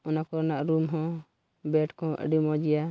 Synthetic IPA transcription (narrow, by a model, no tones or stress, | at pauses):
ɔnakɔɾnaʔɾumɦɔ̃ | bɛʈkɔ̃ʔə̰ɖimɔd͡ʒɛja